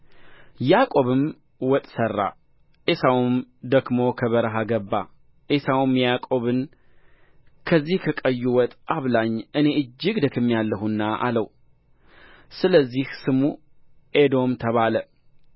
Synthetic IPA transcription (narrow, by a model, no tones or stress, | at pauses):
jakʼo̞βɨm | wɔt̪ʼsərːa̰ | ʔesawumd̪əɡmo̞kʰəβəɾɦaɡəbːa̰ | ʔesawmjjakʼo̞βɨn | kʰəzːihkʰəkʼəjːuwɔt̪ʼaβlaɲːʔɨne̞ʔɨd͡ʒːɪɡd̪əkʰɨmːijalːəɦunːaʔa̰ləw | sɨləzːihsɨmu | ʔed̪o̞mt̪ʰəβalə